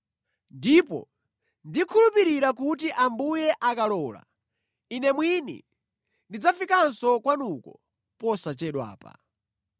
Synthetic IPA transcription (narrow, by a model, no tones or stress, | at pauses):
ndipɔ̰ | ndikʰulupiɾiɾakutiʔambujɛʔakalɔːla̰ | inɛmwinḭ | ndid͡zafikansɔkwanukɔ | pɔsat͡ʃɛɗwa̰ːpa̰